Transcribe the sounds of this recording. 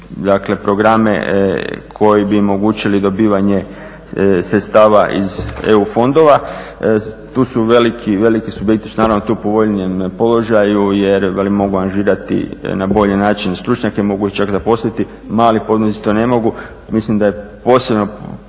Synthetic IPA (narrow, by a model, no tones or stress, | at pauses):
d̪akle̞pɾo̞ɡɾamḛkʰo̞jibiomo̞ɡuːt͡ʃilid̪o̞biːʋaɲe̞ | sɾet̪st̪aːʋaʔḭze̞ufo̞nd̪o̞ʋa | t̪uːsuʋe̞likʰiʋe̞likisubjekt̪i̥sunaːɾaʋnot̪uːpo̞ʋo̞ʎiempo̞lo̞ʒajuje̞ɾʋelimo̞ɡuaɾŋʒiːɾat̪ḭnabo̞ʎenaːt͡ʃinst̪ɾut͡ʃɲakemo̞ɡuiçt͡ʃakzapo̞slit̪i | maːlipo̞d̪nosii̥t̪one̞mo̞ɡu | mislimd̪ajepo̞sebno̞